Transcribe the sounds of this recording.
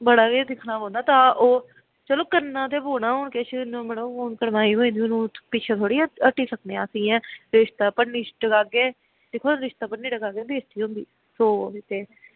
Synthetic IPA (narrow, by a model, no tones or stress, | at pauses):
bəɽaːɡed̪ɪkʰnaːbõːd̪aːt̪ãːoː | t͡ʃəloːkənːãːt̪eːboːnaːɦoːɳkeʃnõːmɛnəoːnkəɾmaːiːɦoːĩːd̪iːoːnũːpɪt͡ʃʰeːt̪ʰoːɽiːəʈiːsəkneːãːsĩːɛ̃ːɾɪʃt̪aːpənːiːɖəɡaːɡeː | d̪ɪkʰoːɾɪʃt̪aːpənːiːɖəɡaːɡeːbeːst̪iːɦõːnd̪ḭː | soːɪt̪eː